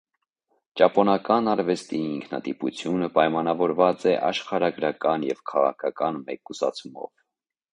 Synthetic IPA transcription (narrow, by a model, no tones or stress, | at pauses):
t͡ʃɑpɔnɑkɑnɑɾvɛst̪iiŋkʰnɑ̰t̪iput͡sʰjunəpɑjmɑnɑvɔɾvɑt͡sɛʔɑ̰ʃχɑɾɑɡɾɑkɑnjɛvkʰɑʁɑ̰kʰɑkɑnmɛkusɑ̰t͡sʰumɔ̰v